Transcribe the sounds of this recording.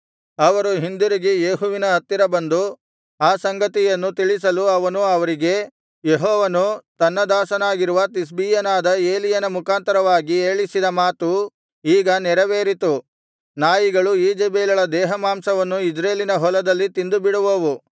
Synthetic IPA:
ɐʋɐɾuɦind̪uɾiɡijeːɦuʋinɐɐt̪ːiɾɐbɐnd̪u | aːsɐŋɡɐt̪ijɐnːut̪iɭis̬ɐluɐʋɐnuɐʋɐɾiɡe̞ | jeɦɔːʋɐnut̪ɐnːɐd̪aːsɐnaːɡiɾuʋɐt̪is̬biːjɐnaːd̪ɐe̞ːlijɐnɐmukʰaːnt̪ɐɾɐʋaːɡieːɭisid̪ɐmaːt̪u | iːɡɐnɛɾɐʋeːɾit̪u | naːjiɡɐɭuiːd͡ʒebeːlɐɭɐd̪ɛːɦɐmaːmsɐʋɐnːuid͡ʒɾeːlinɐɦɔlɐd̪ɐlːit̪ind̪ubiɽuʋoʋu

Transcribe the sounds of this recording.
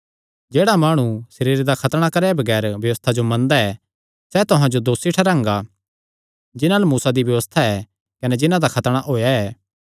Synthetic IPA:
d͡ʒeːɽamaːɽ̃usɐɾiːɾed̪akʰɐt̪ɽ̃akɐɾɛbɐɡɛːɾbjɐʋəst̪ʰad͡ʒomɐ̃nd̪aɛ | sɛt̪ʊɦãd͡ʒod̪oːsiʈʰɐɾãːŋɡa | d͡ʒɪnãlɐmuːsad̪iʋjɐʋəst̪ʰaɛ | kɐnɛd͡ʒɪnãd̪akʰɐt̪ɽ̃aʔɦoːjaɛː

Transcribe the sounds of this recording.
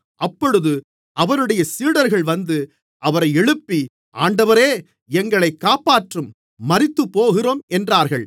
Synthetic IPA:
ʔɐpːɔɻɯðɯ | ɐʋɐɾɯɽɐjɐsiːɽɐɾɣɐɭʋɐnd̪ɯ | ʔɐʋɐɾɐɪɛɻɯpːi | ʔaːɳɖɐʋɐɾeː | ɛŋɡɐɭɐɪkːaːpaːʈrɯmː | ɐɾɪt̪ːɯpːoːɣɪroːmɛndraːɾɣɐɭ

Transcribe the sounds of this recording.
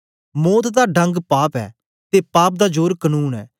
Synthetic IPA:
moːt̪ʰd̪aːɖə̃ŋɡpaːpɛ̰ː | t̪eːpaːp̚d̪aːd͡ʒoːɾkənuːnɛ̰ː

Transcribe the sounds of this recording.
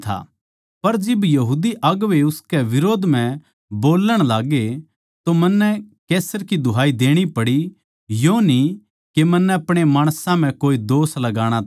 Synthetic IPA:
t̪ʰa̰ | pɐɾd͡ʒɪbjɐɦuːd̪iʔɐɡʋeʊskɛʋɪɾoːd̪ʱm̤ɛ̃ | boːləɽ̃laːɡe | t̪omɐnːɛkɛːsəɾkid̪ʱʊɦaːid̪eːɽ̃ipɐɽi | joni | kemɐnːɛɐpɽ̃emaːɽ̃sãm̤ɛ̃koːid̪oːslɐɡaːɽ̃at

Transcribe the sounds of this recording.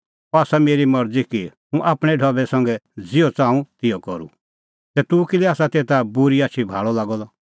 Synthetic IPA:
ɔaːsameːɾimɐɾd͡zikiɦũʔaːpɽ̃ɛɖʱɔbɛsɐ̃ŋɡɛd͡zɪɔt͡sãːũt̪ɪɔkɔɾṵ | t̪ɛt̪ukiliaːsat̪eːt̪abʊɾiaːʃʰibʱa̰ːɭɔlaːɡɔlɔ

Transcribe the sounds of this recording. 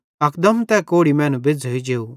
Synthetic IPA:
ɐkd̪ɐmt̪ɛkoːɽimɛ̃ːnũbɪd͡zʱoid͡ʒeːu

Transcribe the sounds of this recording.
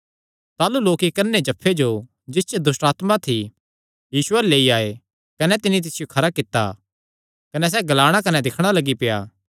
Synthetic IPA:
t̪aːluloːkikɐɾned͡ʒɐpʰːed͡ʒo | d͡ʒɪst͡ʃed̪ʊsʈaːt̪mat̪ʰi | jiːsʊɛleːiaːe | kɐnɛt̪ɪnit̪̬ɪsɪjokʰɐɾakɪt̪ːa̰ | kɐnɛs̬ɛɡɐlaːɽ̃akɐnɛd̪ɪkʰɽ̃alɐɡipɪja̰ː

